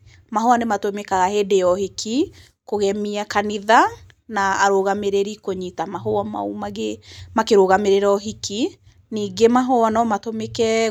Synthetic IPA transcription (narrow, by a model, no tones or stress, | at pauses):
maɦoanematomekaɣahedejɔhikʰi | koɣɛmiakaniða | naːɾoɣameɾeɾikoɲitamaɦoama̰umaɣemakeɾoɣameɾeɾɔɦiki | niːɡemaɦɔanɔmatomekɛ